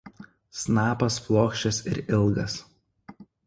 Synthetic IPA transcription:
snɑːpɐsplˠoːkʃʲt͡ʃʲɛsɪ̰ɾɪlˠɡɐs

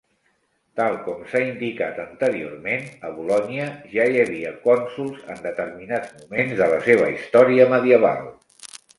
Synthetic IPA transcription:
t̪alˠkɔmsaind̪ikat̪ənt̪əɾio̰rmenəβulɔniəʒajəβ̞iəkɔnsulˠzə̰nd̪ət̪ərminad͡zmumenzðələseβ̞ə̰ist̪ɔɾiəməðiəβ̞a̰lˠ

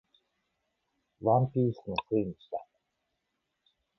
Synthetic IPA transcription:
βãmpʲiːsɨnokiiniɕi̥t̪a

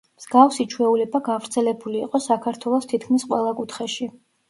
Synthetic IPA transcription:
mz̥ɡafsit͡ʃʰwɛulɛbaɡavɾt̪sʰɛlɛbuliːqʼɔsakʰaɾt̪ʰwɛlˠɔst̪ʰit̪̚ʰkʰmisqʼwɛlˠakʼut̪ʰχɛʃi

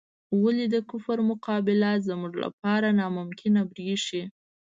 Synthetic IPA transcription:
walid̪əkʊfəɾmʊqɑbɪlazəmuʐla̰pɑɾanɑmʊmkʰɪnabɾiʂi

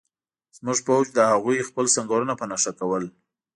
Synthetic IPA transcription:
z̥muʐpawd͡ʒd̪əhaɣujxpəlsaŋɡaɾənapənaʃakawəl

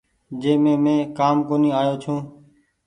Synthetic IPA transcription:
d͡ʒeːmẽːmẽːkaːmkoːniːaːjoːt͡ʃʰũː

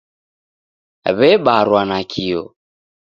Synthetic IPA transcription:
βɛɓaɾwanakʰiɔ̰

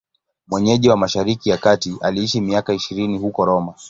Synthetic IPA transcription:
mwɛɲɛʄiwamaʃaɾikijakatiʔaliiʃimiakaiʃiɾinihukɔɾɔma

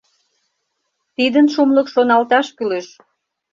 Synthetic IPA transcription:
t̪id̪ənʃumlə̆kʃonɑlt̪ɑʃkyleʃ

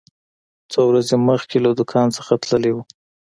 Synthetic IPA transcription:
t͡sowɾazeməxkʰelad̪ʊkʰɑnsəxat̪ləlewu

